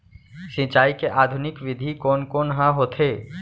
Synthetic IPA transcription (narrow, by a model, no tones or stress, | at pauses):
sɪ̃t͡ʃaːikeʔaːd̪ʱʊnɪkʋɪd̪ʱikoːnkoːnɦãɦoːt̪ʰe